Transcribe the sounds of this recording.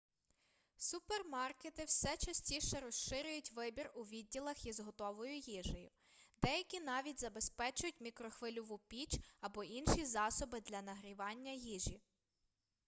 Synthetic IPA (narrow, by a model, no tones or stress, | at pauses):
supermɑrket̪ɪwsɛt͡ʃɐsʲtʲiʃɛɾɔsʃɪɾʲʊjʊtʲʋɪbʲirʊʋʲid̚ʲːilˠɐxjizɦɔt̪ɔʋɔjʊjiʒɐjʊ | d̪ɛjɐkʲinɑʋʲitʲzɐbespɛt͡ʃʊjʊt̚ʲmʲikɾɔxʋɪlʲʊʋupʲit͡ʃɐbɔʔinʃizɑsɔbɪd̪lʲɐnɐɦɾʲiʋɑnʲːɐjiʒi